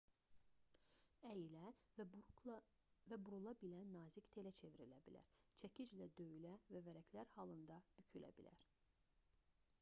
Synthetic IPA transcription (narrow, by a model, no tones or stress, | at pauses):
æjilæ | væbuɾulˠɑbilænːɑːzict̪ʰe̞læt͡ʃʰe̞viɾilæbilæ̰ɾt͡ʃʰæcʰid͡ʒlæd̪øjylævævæɾæcʰlæɾhɑlˠɯnd̪ɑb̥ycʰylæ̰bilæ̰ɾ